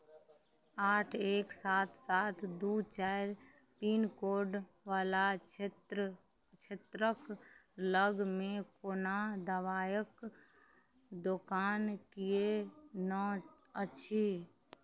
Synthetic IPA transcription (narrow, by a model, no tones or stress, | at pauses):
aːʈʰeːksaːt̪ʰsaːt̪ʰd̪uːt͡ʃaːɾ | piːnkoːɖ | ʋaːla | t͡ʃʰɪt̪ɾəkləɡmẽkoːnad̪əʋaːjək | d̪okaːnkienə | əːʃʰi